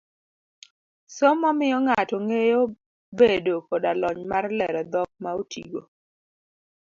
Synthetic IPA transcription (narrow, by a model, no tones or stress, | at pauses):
sɔmɔmɪjɔŋatɔŋejo | bedokɔdalɔɲmarlɛɾɔd̪ɔk̚maotʰḭɡo̰